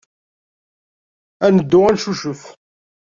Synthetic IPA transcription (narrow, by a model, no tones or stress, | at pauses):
ænəd̪ːʊʁænʃuʃəf